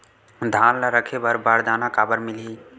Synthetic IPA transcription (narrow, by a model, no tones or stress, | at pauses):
d̪ʱanləɾəkʰebəɾbaɾd̪anakabəɾmili